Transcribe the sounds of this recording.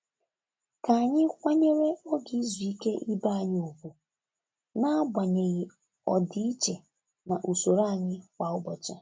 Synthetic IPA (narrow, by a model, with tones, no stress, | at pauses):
ka˨a˨ɲɪ˦kʷa˦ɲe˦ɾe˦o˦ɡi˨˦i˦zu˨i˦ke˦ʔi˦ba˦a˨ɲ˦ʊ˨kʷu˨ | na˦ɡ͡bʷa˨ɲe˨ɣɪ˨ | ɔ˨di˦i˦t͡ʃe˨ | na˨ʔu˨so˨ɾa˦a˨ɲɪ˦kʷa˨ʊ˦bɔ˨t͡ʃa˦